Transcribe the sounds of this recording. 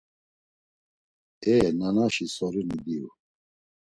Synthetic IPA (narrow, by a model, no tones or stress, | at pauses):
ɛnanaʃisɔɾinid̪iṵ